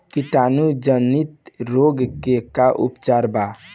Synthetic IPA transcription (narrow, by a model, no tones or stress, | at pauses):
kiʈanud͡ʒənit̪ɾoɡkekaʔṵpt͡ʃaɾba